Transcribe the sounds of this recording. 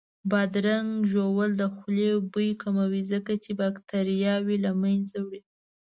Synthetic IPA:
bɑd̪ɾaŋɡʒowəld̪əxlebujkamawizəkat͡ʃebakt̪aɾijɑwelamajnzawɽi

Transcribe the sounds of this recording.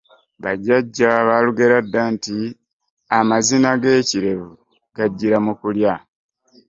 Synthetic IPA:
βaɟaɟːaβaluɡe̞ɾadːanti | amazinaɡe̞ːciɾe̞βu | ɡ̥aɟːiɾamukulja

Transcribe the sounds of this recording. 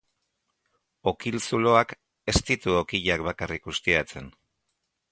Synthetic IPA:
o̞kilsulo̞ak | e̞st̪it̪uo̞kiʎakβakarikɡust̪iat͡se̞n

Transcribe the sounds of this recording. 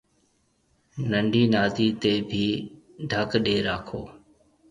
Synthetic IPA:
nəɳɖʱiːnaːd̪iːt̪eːbʱiː | ɖʱəkɗeːɾaːkʰoː

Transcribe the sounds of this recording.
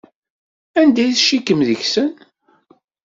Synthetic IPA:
ænd̪æjθʃikːəmðəçsən

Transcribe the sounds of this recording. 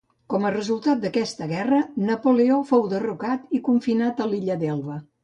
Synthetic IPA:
kɔmərəzulˠt̪at̪̚d̪əkɛst̪əɣɛrənəpuleofowd̪ərukat̪ikuɱfinat̪əliʎəd̪ɛlˠβə

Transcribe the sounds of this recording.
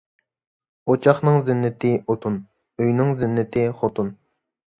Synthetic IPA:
ot͡ʃʰɑχnɨŋzɪnːɪt̪ʰɪot̪ʰun | øjnɪŋzɪnːɪt̪ʰɪχot̪ʰun

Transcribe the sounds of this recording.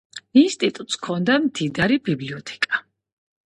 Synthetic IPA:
inst̪ʼit̪ʼut̪ʼskʰɔnd̪amd̪ʰid̪aɾibibliɔt̪ʰɛ̥kʼa

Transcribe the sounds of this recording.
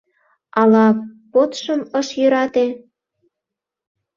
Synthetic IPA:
ɑlɑpot̪ʃəməʃjøɾɑt̪e

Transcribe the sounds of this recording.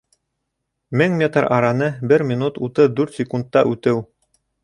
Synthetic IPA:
mɘŋmʲet̪rɑ̰ɾɑnɤbɘɾmʲinut̪ut̪ɤd̪ʉɾt̪sʲɪkund̪̚ːɑʔʉt̪ɘw

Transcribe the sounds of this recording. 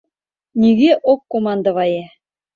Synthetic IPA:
nʲiɡeʔokːomɑnd̪ɤ̆βɑje

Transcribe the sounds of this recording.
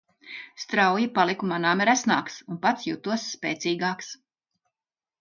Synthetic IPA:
st̪ɾawjipalˠikumanaːmɛɾæsnaːksunpat̪sjut̪uɔsːpʲɛːt̪siːɡaːks

